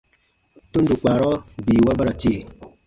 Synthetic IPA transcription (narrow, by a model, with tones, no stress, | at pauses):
tu˦ndu˨k͡pa˨ɾɔ˦biː˨wa˦ba˦ɾa˨ti˦e˨